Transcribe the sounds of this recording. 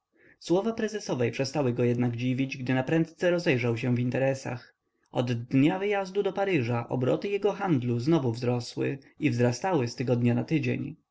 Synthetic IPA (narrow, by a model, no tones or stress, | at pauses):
swɔvapɾɛzɛsɔvɛjpʂɛst̪awɘɡɔjɛd̪naɡd͡ʑivʲid͡ʑɡd̪ɘnapɾɛnt̪t̪sɛɾɔzɛjʐawɕ̬ɛ̃vʲint̪ɛɾɛsa̰x | ɔd̪ːɲavɘjazd̪ud̪ɔpaɾɘʐaʔɔ̰bɾɔ̰t̪ɘjɛɡɔxand̪luznɔvuvzɾɔswɘ̰ | ivzɾast̪awɘst̪ɛɡɔd̪ɲanat̪ɘd͡ʑḛɲ